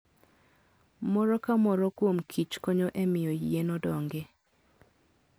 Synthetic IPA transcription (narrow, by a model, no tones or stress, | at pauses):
mɔɾɔkamɔɾɔkwomkʰit͡ʃkɔɲɔʔemɪjojenɔdɔŋɡe